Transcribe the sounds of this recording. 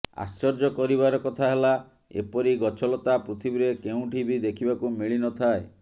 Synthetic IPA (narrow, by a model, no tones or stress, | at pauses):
a̰st͡ʃɔɾd͡ʒɔkɔɾiβaɾɔkɔt̪ʰaɦela | ḛpɔɾiɡɔt͡ʃʰɔlɔt̪apɾut̪ʰibiɾekeũʈʰibid̪ekʰibakumiɭinɔt̪ʰae